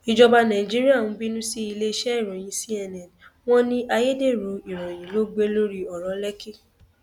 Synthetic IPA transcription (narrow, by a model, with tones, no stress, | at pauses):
i˨d͡ʒɔ˧ba˧nã˨i˨d͡ʒi˦ɾi˦a˦˨ũ˨˦bi˦nũ˦si˦i˧le˦ʃɛ˦i˦˨ɾ̃ɔ̃˨j̃ĩ˨˧˦si˦ɛ˧nɛ̃˨n˨w̃ɔ̃˦nĩ˦ʔa˧je˦de˦˨ɾo˨˦i˨ɾ̃ɔ̃˨j̃ĩ˨˦lo˦ɡ͡be˦lo˦ɾi˦ɔ˨ɾɔ̃˨˦lɛ˦ki˦˨